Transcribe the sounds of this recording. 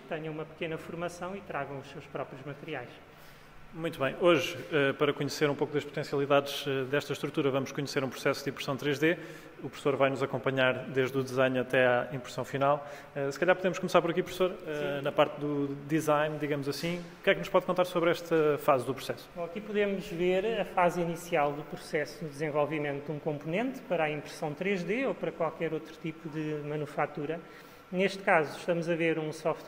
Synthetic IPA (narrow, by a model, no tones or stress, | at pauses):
t̪ɐɲɐ̃w̃umɐpɨ̥kenɐfuɾmɐsɐ̃w̃it̪ɾaɣɐ̃w̃uʃsewʃpɾɔpɾjuʒmɐt̪ɨɾiajʃ | mũj̃t̪uβɐ̃j̃oʒɛpɐɾɐkuɲseɾũpokuðɐʃput̪ẽsiɐlˠiðaðʒ̥ɛðɛʃt̪ɐʃt̪ɾut̪uɾɐvɐmuʃkuɲseɾũpɾusɛsud̪ĩpɾsɐ̃w̃t̪ɾeʒðe | upɾufsoɾvajnuzɐkõmpɐɲaɾd̪eʒd̪ud̪izajnɐt̪ɛaĩpɾsɐ̃w̃finalˠ | ɛsɨ̥kɐʎaɾpuðemʊʃkumsaɾpɔɾɐkiupɾufsoɾɛnɐpaɾt̪d̪ud̪izajnd̪iɣɐmuzɐsĩukɛknuʃpɔðkõnt̪aɾsoβɾɛʃt̪ɐfazd̪upɾusɛsu̥ɐkipuðemuʒveɾɐfazinisialˠd̪upɾusɛsunud̪zẽvɔlˠvimẽnt̪ud̪ũkõmpunẽnt̪pɐɾaĩmpɾɨ̥sɐ̃w̃t̪ɾeʒðeopɐɾɐkwalˠkɛɾot̪ɾut̪ipuðɨmɐnufat̪uɾɐ | neʃt̪kazuʃt̪ɐmuzɐveɾũsɔft̪